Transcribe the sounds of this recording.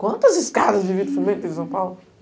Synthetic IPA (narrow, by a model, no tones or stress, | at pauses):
kwɐ̃nt̪ɐziskaðɐzvivĩd̪fɨmẽnt̪ẽsɐ̃w̃pawl